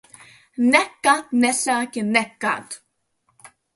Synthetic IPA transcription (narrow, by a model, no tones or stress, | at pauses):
nɛkːat̪nɛɬakɪnɛkːa̰t̪